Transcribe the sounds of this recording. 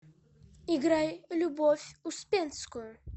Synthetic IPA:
iɡɾajlʲubɔfʲuspʲɛnskujʊ

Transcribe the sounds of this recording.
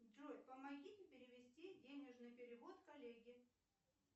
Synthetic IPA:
d̪rojʲpəmɐɡʲitʲɪpʲɪɾʲɪvʲɪsʲtʲidʲenʲɪʐnɨjpʲɪɾʲɪvot̪kɐlʲeɡʲɪ

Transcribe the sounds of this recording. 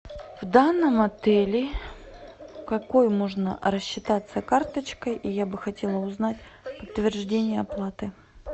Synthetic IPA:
vd̪anːəmɐt̪ɛlʲɪ | kɐkojmoʐnə̰ɾəɕːɪt̪at̪sːəkart̪ət͡ɕkəjʔijabɨxɐtʲelˠəʊznatʲpət̪ːvʲɪrʐdʲenʲɪjəɐplˠat̪ɨ

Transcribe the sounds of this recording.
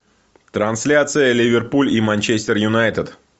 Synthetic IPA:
t̪ɾɐnsʲlʲat̪sɨjəlʲɪvʲɪrpulʲimanʲt͡ɕesʲt̪ʲɪrjʊnajt̪ɪd̪

